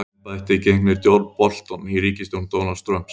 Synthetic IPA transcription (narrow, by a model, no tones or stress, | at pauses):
aɪht̪ɪicejŋknɪɾt̪jɔɾt̪pɔl̥t̪ɔnhiriːcɪst̪ɪunt̪ownalst̪ɾœm̥ps